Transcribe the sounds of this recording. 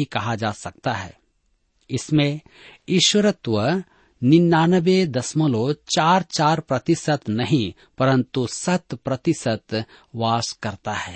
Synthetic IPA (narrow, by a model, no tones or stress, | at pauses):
ikɐɦad͡ʒaːsɐk̚t̪aɦɛ̰ː | ɪsmẽ | ɪːʃwəɾət̪wə | nɪnːaːnəbed̪ɐsməlot͡ʃaːɾt͡ʃaːɾpɾɐt̪ɪsət̪nɐɦĩ | pɐɾə̃nt̪usɐt̪pɾɐt̪ɪsət̪ | ʋaːskɐɾt̪aɦɛː